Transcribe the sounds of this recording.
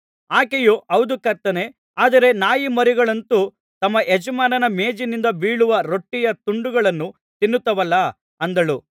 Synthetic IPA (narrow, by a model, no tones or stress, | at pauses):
aːkejuʔɐwd̪ukɐɾt̪ːɐne̞ | aːd̪ɐɾe̞naːjimɐɾiɡɐɭɐnt̪u | t̪ɐmːɐʔed͡ʒɐmaːnɐnɐmeːd͡ʒinind̪ɐbiːɭuʋɐɾo̞ʈːijɐt̪uɳɖuɡɐɭɐnːu | t̪inːut̪ːɐʋɐlːɐ | ɐnd̪ɐɭu